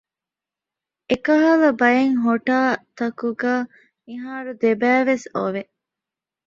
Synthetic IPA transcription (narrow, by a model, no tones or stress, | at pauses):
ʔekɐɦɐlɐbɐjeŋɦoʈaːt̪ɐkuɡaː | miɦaːɾud̪ebæːʋeso̰ʋe